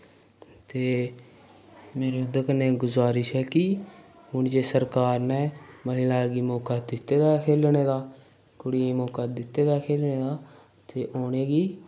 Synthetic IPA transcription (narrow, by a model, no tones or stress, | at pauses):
t̪eː | meːɾeʊd̪əkənɛ̃ːɡʊzaːɾɪʃɦɛːkɪ | ɦʊnd͡ʒeːsəɾkaːɾnɛːməɦɪlaːɡiːmɔːkaːd̪ɪt̪ːeːd̪aːkʰeːlneːd̪aː | kʊɽiːmoːkaːd̪ɪt̪ːeːd̪aːkʰeːlneːd̪aː | t̪eːʔoːneːɡiː